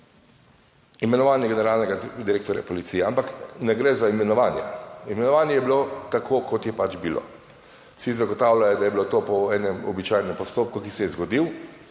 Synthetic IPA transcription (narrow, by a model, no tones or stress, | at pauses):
imɛnɔʋaːnjɛɡɛnɛɾaːlnɛɡad̪iɾeːk̚t̪ɔɾja̰pɔlit̪siːjɛampaknɛɡɾɛːzaimɛnɔʋaːnja̰imɛnɔʋaːnjɛjɛbilot̪akʰoːkɔt̪jɛpat͡ʃbilo̰ | sizaɡɔt̪aːwlajɔd̪ajɛbilot̪oːpɔɛːnɛmɔ̰bit͡ʃajnɛmpɔst̪oːp̚kukisɛjɛzɡɔd̪iw